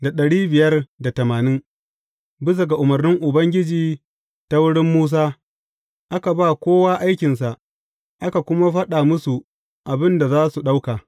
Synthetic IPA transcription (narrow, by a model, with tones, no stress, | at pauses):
da˨ɗɐ˨ɽiː˦bɪ˨jɐ˦rda˨tɐ˨maː˨nɪ˦ŋ | bɪ˦s̬a˨ɡa˨ʔʊ˨mɐ˨rnɪ˦ŋʔʊ˨bɐ˦ŋɡʲɪ˦d͡ʒiː˨ | ta˦wʊ˦ɽɪ˦mːuː˦s̬aː˦ | ʔa˦ka˨baː˦˨kʷoː˦waː˦ʔa˦jkʲɪ˨ns̬a˨ʔ | ʔa˦ka˨kʷʊ˦ma˦ɸɐ˦ɗa˨mʊ˦su˨ | ʔa˨bɪ˦nda˨zaː˦su˨ɗa˦wkaː˨